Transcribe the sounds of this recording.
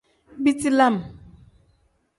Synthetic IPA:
bi˦ti˦la˦˨m

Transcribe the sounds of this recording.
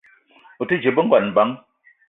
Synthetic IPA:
u˨ti˦d͡ʒe˨bə˦ŋ̩˦ɡwa˨n̩˨ba˨˦ŋ

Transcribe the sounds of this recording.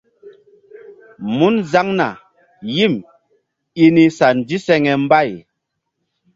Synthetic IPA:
mu˦nza˦ŋna̰˨ | ji˦˨m | i˦ni˧sa˨n˨di˦sɛ˦ŋɛ˨m˦ba˦˨j

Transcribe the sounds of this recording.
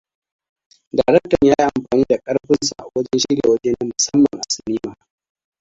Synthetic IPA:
daː˨ɾɛ˦k̚tɐ˨ɲjaː˦ji˦ʔa˨mɸaː˨niː˦da˨kʼɐ˦ɽɸɪ˦nsa˨ʔa˨wɐ˦d͡ʒɛ˦nʃɪ˦ɽjḛː˨wɐ˦d͡ʒeː˦nɐ˦mʊ˨sɐ˦mːɐ̰˨ŋʔa˨sɪ˨niː˦maː˦˨

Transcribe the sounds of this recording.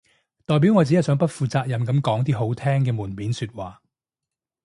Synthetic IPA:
t̪ɔː˨˩jp̬i˨˥wŋɔː˨˧t͡siː˨˥ɐ˥˩sœː˨˥ŋpɐ˥t̚fuː˨˧t͡saː˧k̚jɐ˨mkɐ˨˧˥mkɔː˨˥ŋt̪̬iː˥ɦo˨˥wt̪ʰɛː˥ŋkɛː˧muː˨˩npiː˨˥nsyː˧t̚waː˨

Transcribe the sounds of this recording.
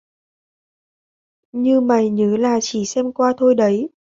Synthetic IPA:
ɲɨ˧ma˨˩jɲəː˨˦laː˨˩t͡ɕi˧˩sɛ˧mkwaː˧t̪ʰo˧jɗə˨˦j

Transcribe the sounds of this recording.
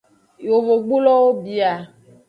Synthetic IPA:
jo˨vo˨ɡ͡bu˦lɔ˦wo˦bi˨a˨

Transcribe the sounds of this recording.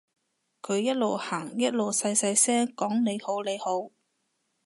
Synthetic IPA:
kʰɵ˨˧ɥjɐ˥t̚lo˨whaː˨˩ŋjɐ˥t̚lo˨wsɐ˧jsɐ˧jsɛː˥ŋkɔː˨˥ŋne˨˧jho˨˥wle˨˧jho˨˥w

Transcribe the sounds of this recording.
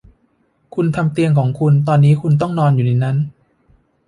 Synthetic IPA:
kʰu˧nt̪ʰa˧mt̪i˧əŋkʰɔː˩˦ŋkʰu˧nt̪̬ɔː˧nːiː˦˥kʰu˧nt̪̬ɔ˥˩ŋnɔː˧njuː˨˩na˧jna˦˥n

